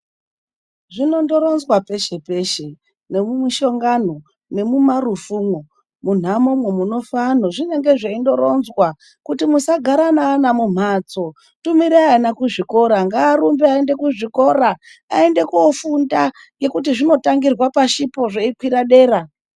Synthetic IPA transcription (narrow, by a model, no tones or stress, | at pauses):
ʐino̞ndo̞ɾo̞nzwape̞ʃe̞pe̞ʃe̞ | ne̞mumiʃo̞ŋɡano | ne̞mumarufuːmo | mun̤amomwemuno̞fanoʐine̞ŋɡe̞ʐeindo̞ɾo̞nzwa | kutimusaɡʱaɾanaːnamum̤at͡so̞ | tumiɾanakuʐiko̞ɾaŋɡaːɾumbeaende̞kuʐiko̞ɾaː | ende̞kuofunda | ŋɡe̞kut̬iʐino̞taŋɡirwapaʃipo̞ʐeikwiɾaɗe̞ːɾa